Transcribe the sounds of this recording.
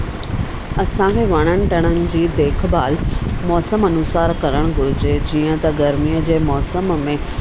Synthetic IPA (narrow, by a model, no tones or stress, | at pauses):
ɐsãkʰeːʋɐɽ̃əɽ̃ɪ̆ʈɐɽ̃ənɪ̆d͡ʑiːd̪eːkʰbaːlmɔːsəmɐnʊsaːɾkɐɾəɽ̃ɡʱʊɽʊd͡ʑed͡ʑiːə̃t̪ɐɡɐɾmiːəd͡ʑeːmɔːsəmmẽ